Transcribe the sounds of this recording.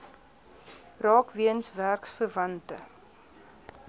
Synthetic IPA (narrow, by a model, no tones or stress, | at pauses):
rɑːkviənsværksfərvɐntə